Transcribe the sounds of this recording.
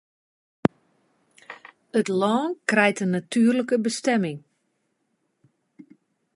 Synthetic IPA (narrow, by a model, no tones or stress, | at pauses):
ətlɔːnkrɛjtənːatʰyərləkəbəstɛmɪŋ